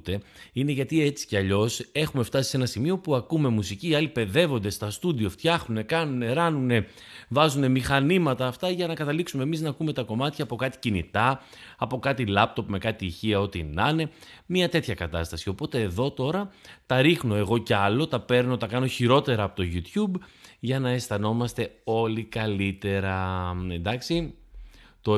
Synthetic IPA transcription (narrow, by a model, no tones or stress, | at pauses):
t̪e̞ine̞ʝɐt̪ie̞t͡si̥ceɐʎo̞se̞xume̞ft̪ɐsi̥se̞nɐsimio̞puɐkume̞musiciːɐlipe̞ðe̞vo̞nd̪e̞st̪ɐst̪ud̪io̞ft̪çɐxnune̞kɐnune̞ɾɐnune̞ | vɐzune̞mixɐnimɐt̪ɐːft̪ɐʝɐnɐkɐt̪ɐliksume̞miznɐkume̞t̪ɐko̞mɐt̪çɐːpo̞kɐt̪i̥cinḭt̪ɐ | ɐpo̞kɐt̪ilɐp̚t̪o̞pme̞kɐt̪iːçiɐo̞t̪inɐne̞miɐt̪e̞t̪çɐkɐt̪ɐst̪ɐsio̞po̞t̪e̞ːðo̞t̪o̞ɾɐt̪ɐɾixno̞e̞ɣo̞ceɐlo̞t̪ɐpe̞ɾno̞t̪ɐkɐno̞çiɾo̞t̪e̞ɾɐːpo̞t̪oʝut̪çubʝɐnɐest̪ɐno̞mɐst̪e̞o̞likɐlit̪e̞ɾɐend̪ɐksi | t̪o̞